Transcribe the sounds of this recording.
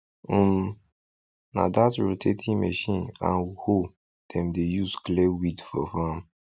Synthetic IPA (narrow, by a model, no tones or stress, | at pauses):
m | na̰datɹotʰetʰĩmɛʃĩnã̰nho | d̥ɛ̃mdejusklewidfɔ̰fãm